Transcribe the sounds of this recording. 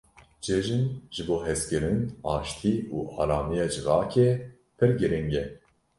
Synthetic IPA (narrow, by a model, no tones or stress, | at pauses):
d͡ʒeʒɨnʒ̥ɨboːɦɛskɨɾɨnɑːʃt̪ʰiːuːʔɑ̰ːlɑːmijɑːd͡ʒɨɣɑːkʰe | pʰɨɾɡɨɾɪŋɡɛ